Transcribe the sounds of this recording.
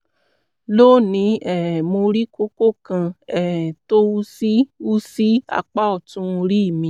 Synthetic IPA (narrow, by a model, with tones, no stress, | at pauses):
loː˦˨nĩ˨˦ɛ˦˨ɛ˨mo˧ɾi˦ko˦ko˦˨kã˧ɛ˨hɛ̃˨to˦u˦si˦u˦si˦a̰˧k͡pa˦ɔ˦˨tũ˧ɾi˦i˦˨mĩ˧˦